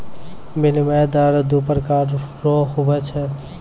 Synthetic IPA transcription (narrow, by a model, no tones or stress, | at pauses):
milimɛd̪aɾd̪upɾəkaɾɾɔɦubɛt͡ʃʰɛ